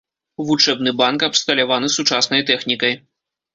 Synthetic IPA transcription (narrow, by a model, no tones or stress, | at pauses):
vut͡ʂɛbnɨbankɐpst̪ɐlʲavanɨsut͡ʂasnɐjt̪ɛxnʲikɐj